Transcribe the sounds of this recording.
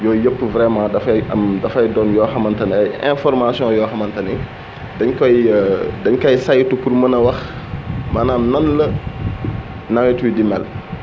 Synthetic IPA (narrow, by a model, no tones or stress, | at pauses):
jɔːjopːvɾɛmãːdɐfɐɐmdɐfɐjdɔnjɔːxɐmɐntɐnɛjɛ̰̃fɔrmasjɔ̃jɔːxɐmɐntɐni | dɐɲkɔjdɐɲkɐjsajtupuɾmɐnɐwɐx | mɐnanɐnlɐ | nɐwɛtuwidimɛl